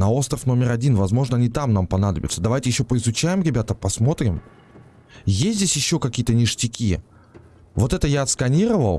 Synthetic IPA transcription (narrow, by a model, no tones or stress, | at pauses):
nɐo̞st̪ɾə̥fno̞mʲɪɾɐdʲinvɐzmo̞ʐnəɐnʲit̪amnampɐnad̪əbʲɪ̰t̪səd̪ɐvajtʲɪjɪɕːo̞pəɪzʊt͡ɕæjɪmɾʲɪbʲat̪əpɐsmo̞t̪ɾʲɪm | jesʲtʲzʲdʲesʲjɪɕːo̞kɐkʲijət̪ənʲɪʂtʲɪkʲi | vo̞t̪ɛt̪əjaɐt̪skɐnʲiɾəvəlˠ